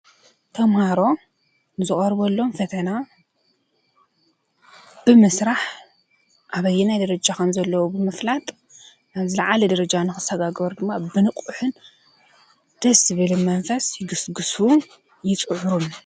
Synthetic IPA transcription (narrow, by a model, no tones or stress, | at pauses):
t̪ʰɐmhaɾo̞ | zɨχʼɐɾbolːo̞mfɐt̪ʰɐna | b̥ɨmɨsɾaħ | ʔaβɐjːɛnajd̪ɐɾɐd͡ʒakʰɐmzɐlːɐwubɨmɨflat̪ʼ | aβzɨlɐʕalɐd̪ɐɾɐd͡ʒanɨxɨsɐɡaɡβɐɾd̪ɨmːabɨnɨqʼuħɨn | d̪̥ɐsɨβɨlmɐnfɐsjɪɡɨsɡɨsu | jɪt͡sʼɨʕuɾun